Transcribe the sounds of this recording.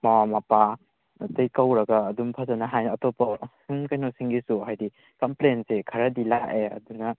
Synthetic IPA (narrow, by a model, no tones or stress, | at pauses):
mawamapa | ɐtɐjkawɾɐɡaːdumpʰazɐnɐɦajnɐtɔpɐsiŋkajnɔsiŋɡisuɦajdi | kɐmplensekʰɐɾɐdilaʔeɐ̰dunɐ